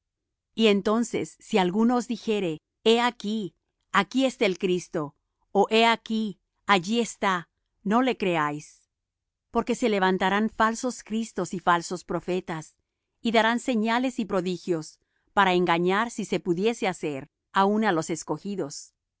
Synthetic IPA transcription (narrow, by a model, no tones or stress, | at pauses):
ie̞nt̪o̞nse̞̰sːialɣuno̞ozðixe̞ɾe̞ | eaki | akiest̪aelkɾist̪o̞ | oʔeaki | aʝie̞st̪a | no̞le̞kɾe̞ajs | po̞ɾke̞se̞le̞β̞ant̪aɾanfalso̞skɾist̪o̞sifalso̞spɾo̞fe̞t̪as | iðaɾanse̞ɲale̞sipɾo̞ðixjo̞s | paɾae̞ŋɡaɲaɾsise̞puðje̞se̞ase̞ɾ | aunalo̞se̞sko̞xiðo̞s